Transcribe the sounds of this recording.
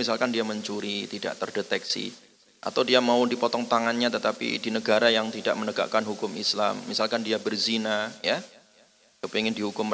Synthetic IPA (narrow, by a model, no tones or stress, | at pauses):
isalkandiaməɲt͡ʃuɾit̪ida̰ʔt̪ərdet̪ɛksḭ | ʔa̰t̪awdiamaudipɔt̪ɔŋt̪aŋanɲat̪ət̪apḭdinəɡaɾajaŋt̪ida̰ʔmənəɡa̰ʔkanɦukʊmisla̰mːisalkandiabərzinaja | kəpiŋɪndiɦukʊm